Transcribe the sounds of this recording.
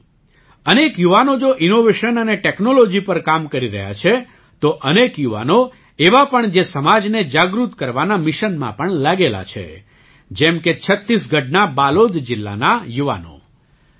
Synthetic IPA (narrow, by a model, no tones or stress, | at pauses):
ənekjuʋanod͡ʒoʔinoʋeʃənəneʈeknolod͡ʒipəɾkamkəɾiɾə̰ɦja̰t͡ʃʰe | t̪oʔənekjuʋa̰no | eʋapəɳd͡ʒesəmad͡ʒned͡ʒaɡɾut̪kəɾʋanamɪʃənmã̰pəɳlaɡela̰t͡ʃʰḛ | d͡ʒɛmket͡ʃʰət̪ːisɡʱəʈnabalod̪ʱd͡ʒɪlːa̰najuʋa̰no̰